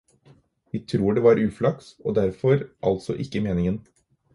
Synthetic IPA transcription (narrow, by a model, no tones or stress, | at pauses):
ʋɪɪt̪ʰɾuːɖeːʋɑɾʔʉːflɑkso̰ːd̪æɾfɔɾʔɑ̰lt̪sɔʔɪkːəmeːnɪŋən